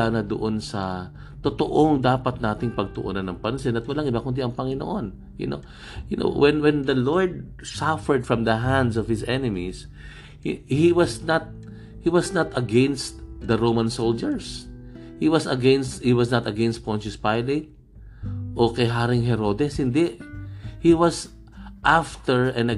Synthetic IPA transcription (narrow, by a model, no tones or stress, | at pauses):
aːnɐd̪o̰ʔonsɐ | t̪ot̪oʔoŋd̪aːpɐt̪̚naːt̪ɪŋpɐɡ̚t̪ʊʔo̰nɐnːɐŋpɐnsɛnɐt̪̚wɐlaŋɪbakʊnd̪iɐŋpɐŋɪno̰ʔon | jʊ̰no̰ | jʊnʔo̰wɛnwɛ̃nd̪ɐloɹd̪̚ | safɛɹd̪fɹɐ̃md̪ɐɦãnd̪sɔv̥hɪsɛnɪmis | hhiwɐsnɐt̪̚ | hiwasnat̪ɐɡɛnst̪̚d̪ɐɹowmɐnsold͡ʒɛɹs | hiwasɐɡɛnst̪hiwɐsnɐt̪ɐɡɛ̃nst̪̚pɔ̃nt͡ʃɪspajlɛt̪̚ | ʔokɛjɦaɾɪŋɦɛɾod̪ɛshɪnd̪ɛʔhiwɐs | ʔaft̪ɛɹɐ̃nɐ